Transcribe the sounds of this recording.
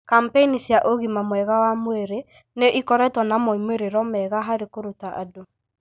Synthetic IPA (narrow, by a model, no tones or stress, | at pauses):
kampeinisjaʔoɣimamwɛɣawamweɾe | neʔikɔɾɛtwɔnamɔimweɾeɾɔmɛɣaɦaɾekoɾutaʔa̰do